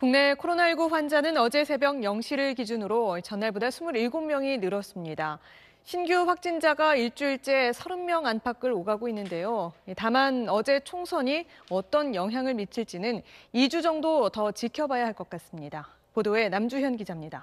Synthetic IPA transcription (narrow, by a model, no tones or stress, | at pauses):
kuŋne̞kʰoɾonaiɭɡuɸwand͡ʑanɯnʌd͡ʑe̞sʰe̞bjʌŋjʌŋɕʰiɾɯɭkid͡ʑunɯɾoit͡ɕʌnːaɭbodasʰumuɾiɭɡomːjʌŋinɯɾʌs͈ɯmɲida | ɕʰinɡjuɸwak̚t͡ɕ͈ind͡ʑaɡaiɭt͡ɕ͈uiɭt͡ɕ͈e̞sʰʌɾɯmmjʌŋanpʰak͈ʰɯɾoɡaɡoinːɯnde̞joitamanʌd͡ʑe̞t͡ɕʰoŋsʰʌɲi | ʌt͈ʌnjʌŋɦjaŋɯɭmit͡ɕʰiɭt͡ɕ͈inɯnid͡ʑud͡ʑʌŋdotʌt͡ɕikʰjʌbajaɦaɭk͈ʌk͈as͈ɯmɲida | podoe̞namd͡ʑuçjʌnɡid͡ʑamɲida